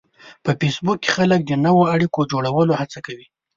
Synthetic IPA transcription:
pəfesbukːe̥xalək̚d̪ənawoaɽikod͡ʒoɽawəlohat͡sakawi

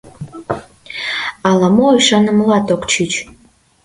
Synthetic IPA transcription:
ɑlɑmoiʃɑnə̆mlɑt̪okt͡ɕit͡ɕ

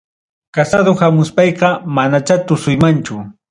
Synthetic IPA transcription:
kasad̪ohamʊspɑjqɑmanat͡ʃat̪ʊsʊjmant͡ʃʊ

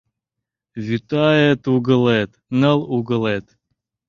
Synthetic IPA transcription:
vʲyt̪ajət̪uɡəlˠɛt̪nəlˠuɡəlet̪

